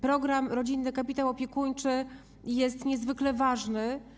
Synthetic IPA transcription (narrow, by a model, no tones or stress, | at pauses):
pɾɔɡɾamɾɔd͡ʑinːɘkapʲit̪awɔpʲjɛkuɲt͡ʂɘ | jɛst̪ɲɛzvɘklɛvaʐnɘ